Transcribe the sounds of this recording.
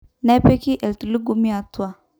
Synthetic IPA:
nɛ˦pe˦ki˦ʔe˨ltu˨li˦ɡu˦mi˦a˨tu˦a˨

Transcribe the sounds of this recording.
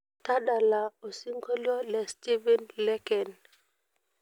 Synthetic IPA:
t̪a˦ɗa˨la˨o˨si˦ŋko˦lo˦le˨sti˦vi˦nlɛ˦kɛ˨n

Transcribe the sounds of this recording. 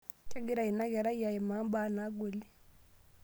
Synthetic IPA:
ke˦ɡi˦ɾa˨i˨na˦ɡɛ˨ɾa˦ja˨ji˨ma˨˦ba˦na˨˦ɡo˨li˦

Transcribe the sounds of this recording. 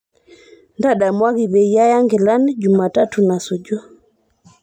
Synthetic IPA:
nda˦ɗa˨mwa˦ɣi˨βɛ˨ija˦ja˦ŋɡɛ˨la˦ni˦d͡ʒu˨ma˨ta˦tu˨na˨su˨d͡ʒɔ˦

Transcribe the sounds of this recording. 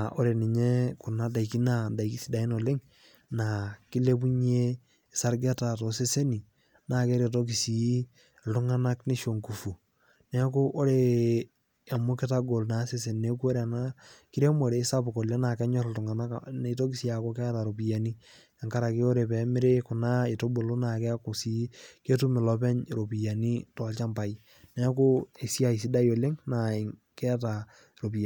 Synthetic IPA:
o˦ɾe˨ni˨ɲe˦ku˨na˦da˨i˨ki˦na˨da˨i˨ki˦si˦da˨i˦no˨le˦ŋ | na˨ki˦le˦bu˦ɲ˦e˦˨ | sa˦ɾɡɛ˦ta˨to˨se˦se˦ni˨ | na˨ke˦ɾe˨to˦k̬i˨si˨˦ | ltu˦ŋa˦na˦kni˦ʃo˨ŋku˨fu˨ | nɛ˦ku˦ʔo˦ɾe˨ | a˨mo˦kɪ˦ta˦ɡo˨lna˨˦se˦se˨nne˦ku˦o˦ɾa˨na˦kɪ˦ɾe˦mo˨ɾe˨˦sa˦pʊ˨ko˨le˦na˨kɛ˦ɲɔ˦˨ltʊ˨ŋa˨na˦kne˨˦to˦ki˦sja˨ko˦kɛ˦ta˨ɾo˨pi˨ja˨ni˦ | a˨ŋka˦ɾa˨kɪ˦o˦ɾe˨pɛ˨˦mɪ˦ɾe˦kʊ˨na˦e˨to˦bo˨lo˦na˨kɛ˦ko˨si˦ke˦tu˦mɪ˨lɔ˦pɛ˦ɲɾo˨pi˨ja˨ni˦tɔ˨lt͡ʃa˦mpa˨i˦ | nɛ˦k̬o˦e˨si˦a˦˨i˨s̬i˦da˦jo˨le˦ŋna˨ɪ˨ŋ | kɛ˦ta˨ | ɾo˨pi˨

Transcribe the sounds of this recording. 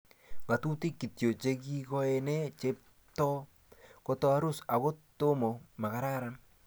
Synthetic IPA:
ŋɡa˨tu˦ti˦kːi˨tjo˨t͡ʃe˦ki˦kɔ˦ɛ˨nɛ˦t͡ʃe˦p̚ | tɔ˦ | ko˦tɔ˦a˦ɾʊ˦sa˨ko˦to˦mɔ˨ma˨ka˨ɾa˦ɾan

